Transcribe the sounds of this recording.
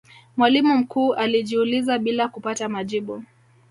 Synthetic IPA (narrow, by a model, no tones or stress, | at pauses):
mwalimum̩kuːʔaliʄiulizaɓilakupatamaʄiɓu